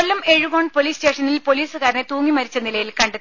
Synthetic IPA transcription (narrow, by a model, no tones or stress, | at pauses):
olːɐme̞ɻuʋoːɳɖpo̞liːste̞ːʂɐnilpoliːsɨkaːɾnet̪uːŋːimɐɾit͡ɕːɐnilɐjilkɐɳɖe